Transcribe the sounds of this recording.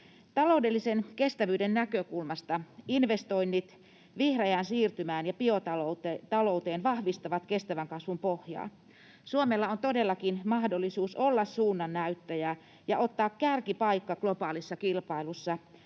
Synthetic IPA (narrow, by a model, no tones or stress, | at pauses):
t̪ɑlo̞udelːisenkest̪æʋyːdennækøkulmɑst̪ɑinʋest̪oinːit̪ | ʋihrejæːnsiːrt̪ymæːnjɑpiot̪ɑlot̪t̪ɑlout̪eːnʋɑhʋist̪ɑʋɑt̪kest̪æʋæŋkɑsʋumpohjɑ̰ː | suomelːɑont̪odelːɑkinmɑhdolːisuːsolːɑssuːnːɑnːæyt̪ːæjæː | jɑʔot̪ːɑːkkærkipɑikːɑklopɑːlisːɑkilpɑilusːɑ